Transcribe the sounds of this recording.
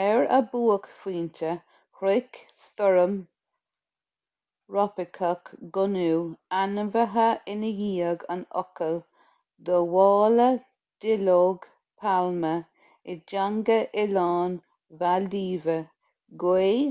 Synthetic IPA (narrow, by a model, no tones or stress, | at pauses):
ɛɹə̰buːəkfiːntə | hɾɪkst̪ɔɹəm | ɹɔpɪkʰəkɡʊnuːanəvəɦəʔɪnəjiːəɡə̰nɔ̰kəl | d̪əwɑːlə | d̪̥ɪloːɡ | pʰalmə | ɪd͡ʒaŋɡəʔɪlɑːn | valiːvə | ɡweː